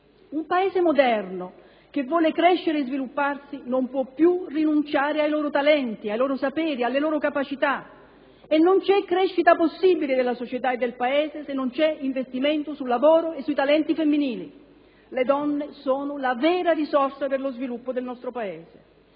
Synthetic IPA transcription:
umpaeːzemod̪ɛrno | k̟evːɔːlekɾɛʃːeɾeːzvilupːarsinompwɔpːjurinunt͡ʃaːɾeajlɔːɾot̪alɛnt̪iajlɔːɾosapɛːɾialːeloːɾokapat͡ʃit̪a | enːont͡ʃɛkːɾɛʃːit̪aposːiːbilɪd̪elːasot͡ʃet̪aed̪ːelpaeːzesenːont͡ʃɛiɱvest̪iment̪osulːavoːɾoesːuit̪alɛnt̪ifemːiniːli | led̪ɔnːesoːnʊlavɛːɾarizɔrsaperlozvilupːod̪elnɔst̪ɾopaeːze

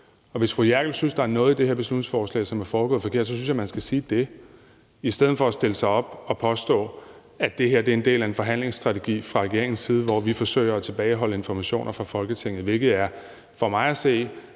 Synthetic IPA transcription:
ɒ̽ʋe̝sfʁujæɐɡ̥l̩synsd̥ɑ̈æɐnɔ̽ːð̩ˠid̥e̝he̝ɐ̰b̥e̝slud̥neŋsfɒːslɛ̰ɪsɒ̽mæɐfɒːb̥ɡɔ̽ːð̩ˠfɒkʰe̝ɐ̰d̥sɒ̽synsɕjɑmænsɡ̥æsiːd̥e̝ | isd̥eð̰̩ˠfɒ̽sd̥e̝ləsɑ̈ɪɒ̽b̥ɒ̽pʰɒ̽sd̥ɔ̰̽ː | æd̥e̝ɦe̝ɐ̰d̥e̝ɐe̝nd̥e̝̰ːlæe̝nfɒ̽ɦæn̰le̝ŋsd̥ʁɑ̈t͡sʰe̝ɡ̥ḭːfʁɑ̈ʁɛɡe̝̰ɐeŋn̩siːð̞ˠəʋɒʋifɒ̽sø̰ɪ̰ɐæt͡sʰe̝b̥ɛːɪɦɒ̽ləe̝nfɒmæɕo̝̰ːnʔɐfʁɑ̈fɒ̽lɡ̥ət͡sʰeŋ̰ð̩ˠʋe̝lɡ̥ð̞̩ˠæɐ | fɒ̽mɑ̈ɪæse̝̰ː

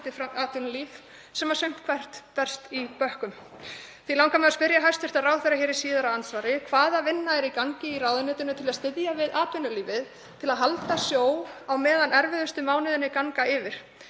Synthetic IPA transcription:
t̪ɪfɾaaːt̪ʰʏɾliːf | sɛːmasʏm̥t̪kʰvar̥t̪pɛr̥st̪ipœhkʏm | θvilawŋkamɛðaspɪɾjaɦajst̪fɪɾ̥t̪aðraːwθeɛɾaçɛːɾɪsiːðaɾaansvaːɾɪkʰvaːðavɪnːaɛɾikaŋcɪiɾawðʏnʏːt̪ʏnʏt̪ʰɪlaðst̪ɪðjavɪðʔaːt̪ʏnːʏliːvɪð | t̪ʰɪlaðɦalt̪asjoːwawmɛːðanɛɾvɪðʏst̪ʏmaːwnɪðʏnːɪkaŋkaɪvɪɾ̥

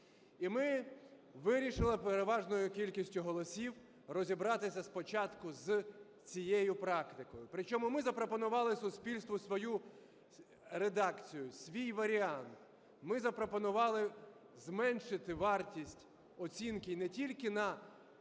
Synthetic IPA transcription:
imɪ | ʋɪɾʲiʃɪlˠɪpeɾeʋɑʒnɔjʊkʲilʲkʲisʲtʲʊɦɔlˠɔsʲiw | rɔzʲibɾɑt̪ɪsʲɐspɔt͡ʃɑt̪kʊz | t͡sʲijɛjʊpɾɑkt̪ɪkɔjʊpɾɪt͡ʃɔmʊmɪzɐpɾɔpɔnʊʋɑlˠɪsʊsʲpʲilʲst̪ʋʊsʋɔju | ɾed̪ɑkt͡sʲijʊsʲʋʲijʋɐɾʲiɑnt̪ | mɪzɐpɾɔpɔnʊʋɑlˠɪ | zmɛnʃɪt̪ɪʋɑrtʲisʲtʲ | ɔt͡sʲinkɪinɛtʲilʲkɪnɐ

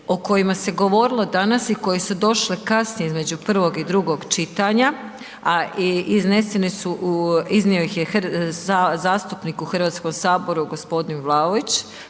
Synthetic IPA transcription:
o̞ko̞jimase̞ɡo̞ʋo̞ɾilˠo̞d̪anasiko̞jesud̪o̞ʃlekasnijeizme̞d͡ʑupr̩ʋo̞ɡid̪ɾuɡo̞ɡt͡ʃit̪aɲa | aizne̞senisuizniojixjexazaːst̪upnikuxr̩ʋat̪sko̞msaːbo̞ɾuɡo̞spo̞d̪inʋlˠaoʋit͡ɕ

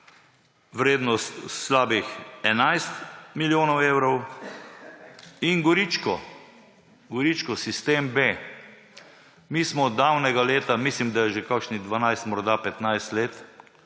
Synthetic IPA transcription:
ʋɾeːd̪nɔst̪slaːbixɛnajst̪miljoːnɔwewɾɔw | inɡɔɾit͡ʃkɔ | ɡɔɾit͡ʃkɔsist̪eːmbe | miːsmɔd̪awnɛɡaleːt̪amislimd̪ajɛʒekakʃnid̪ʋanajst̪mɔɾd̪apɛt̪najst̪leːt̪

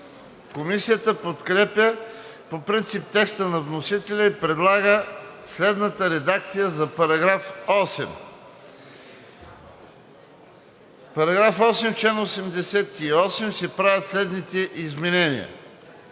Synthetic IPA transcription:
komisijət̪əpot̪kɾɛpʲjə | popɾint̪sip̚t̪ɛkst̪ənɐvnosit̪ɛlʲɐipɾɛd̪lˠaɡəslɛd̪nət̪əɾɛd̪ak̚t̪sijəzɐpɐɾɐɡɾafɔsɛ̰m | pɐɾɐɡɾafɔsɛmt͡ʃlɛnosɛmd̪ɛsɛt̪iɔsɛmsɛpɾavʲjət̪slɛd̪nit̪ɛʔizmɛnɛnḭə̰

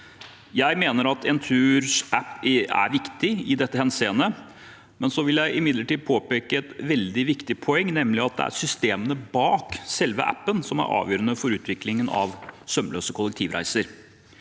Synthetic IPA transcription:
jæɪmeːnəɾɑt̪ʰɛnt̪ʰʉːɾsæpːæ̰ɾʋɪkt̪ɪɪd̪ɛt̪ːəhɛnseːnə | mɛnsɔʋɪljæɪʔɪmɪd̪ləʈiːd̪̚pʰoːpeːkəɛt̪ʋɛld̪ɪʋɪkt̪ɪpʰɔɛŋːnɛmlɪɑt̪̚d̪ɛ̰æ̰ɾsʏst̪eːmənəbɑːksɛlʋə̰ʔæ̰pːənsɔmæ̰ɾʔɑ̰ːʋjøːɾənəfɔɾʉːt̪ʰʋɪklɪŋənɑ̰ʋsœmløːsəkʰɔlːɛk̚t̪ʰiːʋɾæ̰ɪsəɾ

